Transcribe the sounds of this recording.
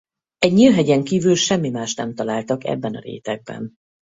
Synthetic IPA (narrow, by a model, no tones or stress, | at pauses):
ɛɟɲilɦɛɟɛŋkiːvylʃɛmːimaːʃt̪nɛmt̪ɒlaːlt̪ɒkɛ̰bːɛnɒɾḛːt̪ɛɡ̚bɛ̰n